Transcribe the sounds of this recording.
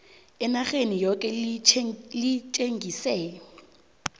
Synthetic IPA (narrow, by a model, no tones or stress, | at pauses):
ɪnaχenijɔkʼɛ | lɪt͡ʃʼeŋɡʱisɛːjɔ